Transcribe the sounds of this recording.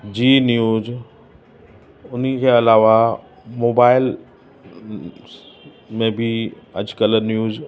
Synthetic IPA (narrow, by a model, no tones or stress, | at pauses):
d͡ʑiːnjuːz | ʊnikʰeɐlaːʋa | moːbaːɪl | mẽbʱiɐ̰d͡ʒkələɾnjuːz